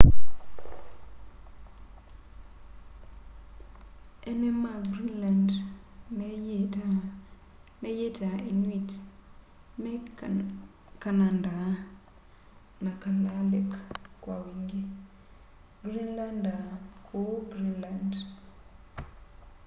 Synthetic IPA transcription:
ʔenemaɡɾinlandmeta | mejetainwit | me | kananda | nakalalekːwawiŋɡi | ɡɾinlandakʰoɡɾinland

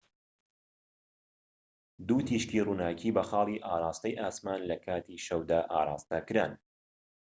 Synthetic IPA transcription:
d̪uːt̪ʰiːʃkiːruːnaːkʰiːbɐxɑːlˠiːʔaːɾˤɑːst̪ɐjʔaːsmaːnlɐkʰaːt̪ʰiːʃɐwd̪aːʔaːɾˤɑ̰ːst̪ɐkɨɾa̰ːn

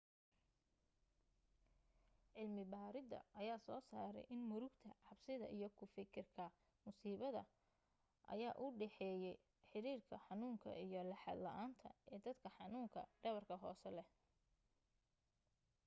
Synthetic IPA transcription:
ʕɪlmɪbaːɾɪd̪ɐ̰ʔɐjaːsɔːsaːɾɛ̰jʔɪnmʊɾʊɡt̪ʰɐʕɑbsɪðɐ̰ʔijɞkʰʊfɪkʰɪrkʰɐ | mʊsiːβɐðɐ̰ | ʔɐ̰jaːʔʊɖɛħɛːjɛj | ħɪɾiːrkʰɐħɑnuːŋkʰɐ̰ʔijɞlɐħɑ̰d̪lɐʔaːnt̪ʰɐ̰ɛːd̪ɐd̪kʰɐħɑnuːŋkʰɐɖɐβɐrkʰɐɦɔ̰ːsɛlɛ

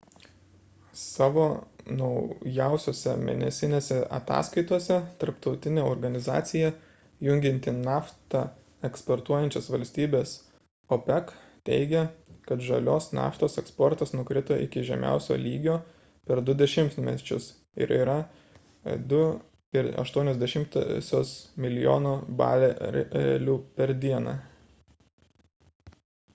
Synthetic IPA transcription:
sɑːʋoːnɒʊjæʊsʲoːsʲɛ̰mʲḛːnʲɛsʲɪnʲeːsʲɛʔɐ̰t̪ɑ̰ːskɐɪt̪uɔsʲɛt̪ɐɾpt̪ɒʊt̪ʲɪnʲeːoɾɡɐnʲɪzɑ̰ːt̪sʲɪjɛ | jʊŋʲɡʲɪnʲt̪ʲɪnɑːft̪ɑ | ɛkspoɾt̪uɔjɛnʲt͡ʃʲosʋɐlʲsʲt̪ʲiːbʲeːs | opʲɛkt̪ʲɛ̰ɪɡʲɛkɐt̪ʒɐlʲoːsnɑ̰ːft̪oːsɛkspɔɾt̪ɐsnʊkɾʲɪt̪oʔɪ̰kʲɪʒʲɛ̰mʲæ̰ˑʊsʲo̰ːlʲiːɡʲoː | pʲɛɾd̪ʊd̪ʲɛʃʲɪmt̪mʲɛ̰t͡ʃʲʊ̰s | ɪ̰ɾiːɾɐ | d̪ʊ | ɪɾɐ̰ʃt̪uɔnʲɛzd̪ʲɛʃʲɪmt̪sʲoːsmʲɪlʲɪjo̰ːnoːbɑ̰ːlʲelʲuːpʲɛɾd̪ʲiɛnɑ̰

